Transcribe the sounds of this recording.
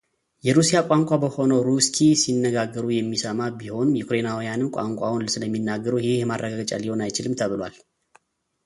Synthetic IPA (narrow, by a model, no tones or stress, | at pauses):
jɛɾusijakʼaŋkʷʼabəho̞nəwɾuskʰisinːəɡaɡːəɾujɛmːisəmabiho̞njɛkʰuɾenawijanɨmkʷʼa̰ŋkʷʼawʊnlsɨləmːinːaɡːəɾəhɪhjɛmarːəɡaɡət͡ʃʼa̰liho̞najt͡ʃɪlɨmt̪ʰəβɨlwa̰l